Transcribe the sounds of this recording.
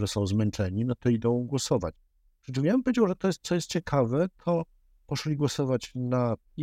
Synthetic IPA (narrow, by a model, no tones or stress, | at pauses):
ʐɛsɔ̃w̃zmɛnt͡ʂɛɲinɔt̪ɔid̪ɔ̃w̃ɡwɔsɔva̰t͡ɕ | ʂɛt͡ɕimʲawɛmpɔjʲed͡ʑawʐɛt̪ɔjɛst̪t̪sɔjɛst̪̚t͡ɕɛkʰavɛt̪ʰɔ | pɔʂlʲiɡwɔsɔvat͡ɕna